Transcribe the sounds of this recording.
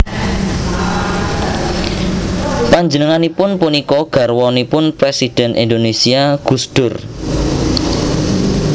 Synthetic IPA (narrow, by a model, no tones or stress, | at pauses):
paɲd͡ʒənəŋanipʊnpunikɔɡ̥a̤rwɔnipʊnpɾesid̥ɛ̤nʔḭndonesiaɡ̥ṳsd̪̥ʊ̤r